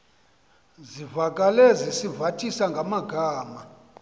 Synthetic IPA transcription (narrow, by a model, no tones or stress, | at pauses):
zivakʼalezisivatʰisaŋɡʱamaɡʱaːma